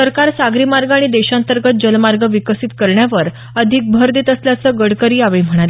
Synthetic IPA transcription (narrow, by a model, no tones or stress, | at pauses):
səɾkaɾsaɡɾiːmaɾɡaɽ̃id̪eɕãnt̪əɾɡət̪̚d͡ʑəlmaɾɡəʋikəsit̪kəɾɳjaʋəɾ | əd̪ʱik̚bʱəɾd̪iːt̪əsljat͡səɡəɽkəɾiːaʋem̤əɽ̃ale